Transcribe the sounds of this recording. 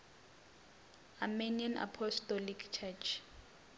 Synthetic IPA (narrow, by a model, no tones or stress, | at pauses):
amenianʔa̰pʰɔstɔlikʰt͡ʃʰɛt͡ʃʰ